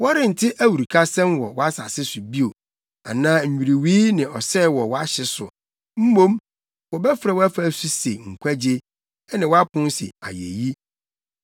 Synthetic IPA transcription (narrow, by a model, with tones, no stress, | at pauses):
wɔ˦ɾɪ̃˦˨n̩˨tʰɪ˦ʔæ˦wu˨ɾi˨kʰa˦sɛ̃˦mwɔ˨wɔ˦a˦sa˨sɪ˦sʊ˨bi˦o˨ | a̰˨nãː˦ɲ̩˨ɲᶣi˨ɾi˨wiː˦nɪ̃˨ɔ˨sɛ˦˨wɔ˨wɔ˦a˦ɕɪ˦˨sʊ̰˨ | m̩˦mõ˦m | wɔ˨bɛ˦fɪ˨ɾa˨wæ˦fɾa˦˨su˦se˨ŋ̩˨kʷʰæ˦d͡ʑe˦ | ɛ˦nɪ̃˨wɔ˦a˦kʰʊ̃˦n˦sḛ˨a̰˨jḛ˨ji˦